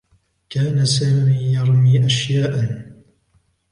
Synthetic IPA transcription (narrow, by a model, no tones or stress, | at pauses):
kaːnasaːmiːjɑɾˤmiːʔaʃjaːʔan